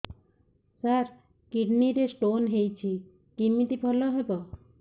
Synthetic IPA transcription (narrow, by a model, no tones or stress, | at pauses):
saɾ | kiɖniɾesʈonɦejt͡ɕʰi | kimːit̪ibʱɔloɦɔjbo